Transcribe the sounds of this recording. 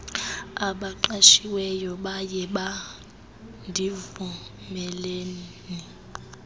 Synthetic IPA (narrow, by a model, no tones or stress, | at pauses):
aɓaǃaʃiwɛjɔɓajɛɓa | ndʱivu | mɛleːni